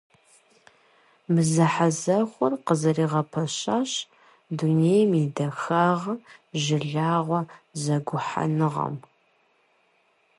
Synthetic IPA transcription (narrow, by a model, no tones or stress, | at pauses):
mɨzɐħazɐχʷʊrqəzɐriːʁɐpʰɐɕaːɕ | dunejmidɐxaːʁʒɪɮaːʁʷɔzɐɡʷʊħa̰nɨʁɐ̰m